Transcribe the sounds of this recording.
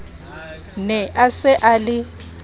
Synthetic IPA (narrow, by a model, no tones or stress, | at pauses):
nɛʔasɛʔalɪ